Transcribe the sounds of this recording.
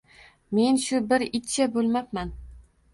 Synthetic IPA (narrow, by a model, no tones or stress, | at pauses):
me̞nʃʊbɪɾɪt̪t͡ʃʰabolˠmapman